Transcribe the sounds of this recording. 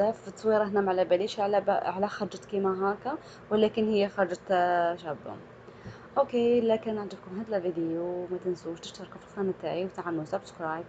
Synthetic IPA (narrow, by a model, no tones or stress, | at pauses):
æfət̪ˤːsˤwiɾˤɑhnæmʕlæbæliʃʕlʕlæxɑɾd͡ʒət̪kimæɦæka | wəlækənhəjːæxɑɾˤd͡ʒət̪ʃæba̰ | ʔokelækənːaʕd̪əbkʊmhæd̪lævid̪əjumæt̪ənsuʃt̪əʃt̪əɾˤkʊfilænæt̪æʕiwt̪aʕanːusæbskɾˤɑj